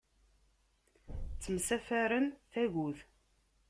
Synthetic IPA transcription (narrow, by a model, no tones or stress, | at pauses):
t͡sːəmsæfæɾənθæʝuθ